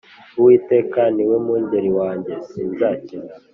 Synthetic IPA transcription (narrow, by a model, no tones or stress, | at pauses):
uwiːte̞ːkaniwemuːɲɟeɾiwaːɲɟe̞siːnzacina